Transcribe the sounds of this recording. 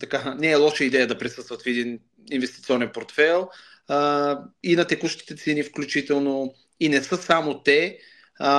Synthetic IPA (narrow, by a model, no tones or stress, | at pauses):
t̪ɐkanɛːlˠɔʃəid̪ɛjəd̪ɐpɾisɤst̪vɐt̪fɛd̪in | invɛst̪it̪siɔnɛnpoɾt̪fɛlˠ | inɐt̪ɛkuʃt̪i̥t̪ɛt̪sɛnifklʲut͡ʃit̪ɛlˠno | inɛsəsamot̪ɛ